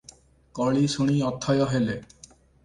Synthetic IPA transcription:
kɔɭisoɽ̃iɔt̪ʰːɔjɔɦele

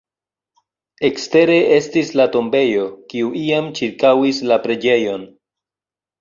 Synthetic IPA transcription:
e̞kste̞ɾe̞ʔe̞stislato̞mbe̞jo̞kiuʔiamt͡ʃiɾkawislapɾe̞d͡ʒe̞jo̞n

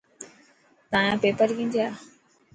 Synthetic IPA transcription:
t̪aːjãpeːpəɾkĩːnd̪ijaː

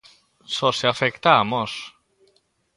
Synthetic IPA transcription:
soseafekt̪amos

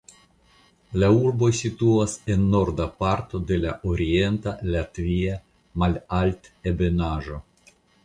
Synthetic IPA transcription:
lauɾbo̞jsit̪uase̞nːo̞ɾd̪apaɾt̪o̞d̪e̞laʔoɾie̞nt̪alat̪via | malalt̪ebe̞naʒo

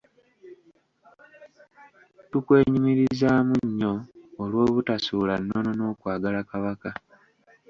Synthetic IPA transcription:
tukwe̞ːɲimiɾizaːmuɲːo̞ːlwo̞ːβutasuːlanːonono̞ːkwaːɡalakaβaka

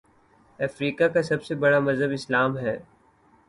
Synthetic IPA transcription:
ɐfɾiːkakasɐbsebɐɽamɐzɦəbɪslaːmɦɛː

